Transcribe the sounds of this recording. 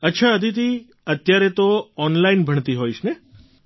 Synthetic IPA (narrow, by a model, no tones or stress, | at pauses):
ətːʃʰaəd̪ʱit̪i | ət̪jaɾet̪oɔnlainbʱəɳt̪iɦoiʃne